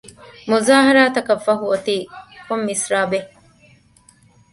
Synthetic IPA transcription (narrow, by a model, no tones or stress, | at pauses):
muzaːɦɐɾaːt̪ɐkɐfɐɦuot̪iːkomːisɾaːbe